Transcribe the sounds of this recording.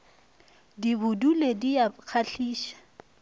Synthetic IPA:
dibʊdulediak͡xʰaɬʰiːʃḁ

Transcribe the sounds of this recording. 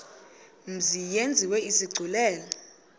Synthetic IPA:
m̩zijend͡zʱiwɛiziɡ͡ǀʱulɛːlɔ

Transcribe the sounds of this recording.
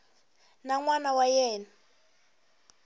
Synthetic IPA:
naŋwanawajɛːna

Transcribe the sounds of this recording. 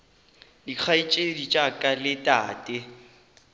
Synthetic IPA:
dik͡xʰait͡ʃʼedit͡ʃʼakʼalɪtʼaːtʼɪ

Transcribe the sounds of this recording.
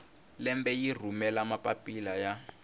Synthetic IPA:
lɛmbɛjir̤umɛlamapʼapʼilaja

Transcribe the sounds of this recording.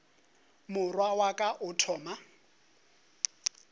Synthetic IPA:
mʊrwawakʼaʔʊtʰɔːma

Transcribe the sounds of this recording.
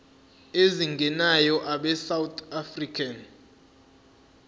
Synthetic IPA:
eziŋɡʱɛnajɔʔaɓɛsawt̪ʰafrikʰan

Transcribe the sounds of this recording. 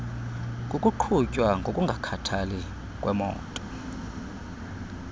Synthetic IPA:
kʼukʼuǃʰucʼwaŋɡʱokʼuŋɡʱakʰatʰali | kʼwʔɛmɔ̰ːtʼɔ̥

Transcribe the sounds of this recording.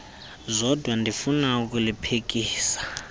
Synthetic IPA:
zʷɔdʱwandʱifunauk̬ulipʰek̬ʼiːsḁ

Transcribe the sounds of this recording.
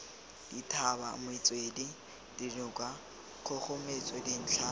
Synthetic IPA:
d̥itʰaba̰mʊɪt͡sʼwedi | d̥ilʊkʼwa | χʊχʊmet͡sʼedin̩ːt͡ɬʰa

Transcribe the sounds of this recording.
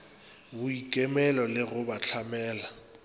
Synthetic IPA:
bʊikʼɛmɛlɔlɪɣʊbat͡ɬʰamɛːla

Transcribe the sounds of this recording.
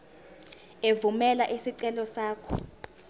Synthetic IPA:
evumɛlaʔisiǀɛlɔsaːkʰɔ̰

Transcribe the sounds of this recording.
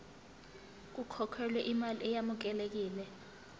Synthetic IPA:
k̬ukʰɔkʰwɛlwɛʔimaliɛjamuk̬ɛlek̬iːlɛ

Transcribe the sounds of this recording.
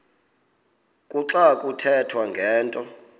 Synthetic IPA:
kʼuǁakʼutʰɛtʰwaŋɡʱɛːntʼɔ

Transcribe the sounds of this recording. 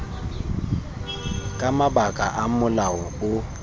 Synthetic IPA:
kʼamabakʼaʔamʊlaɔʊ

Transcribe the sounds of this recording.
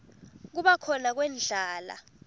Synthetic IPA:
k̬uɓakʰɔnak̬wɛːnd͡ɮʱaːla̰

